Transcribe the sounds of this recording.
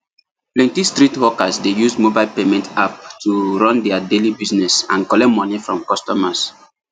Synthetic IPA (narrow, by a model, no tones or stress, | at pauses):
plɛ̃ntistɹitwɔkasdejusmobaɪlpemɛ̃ntap̚tuɹɔ̃ndɛadelibiznɛsã̰nkɔlɛtmɔnifɹɔ̃mkɔstɔmas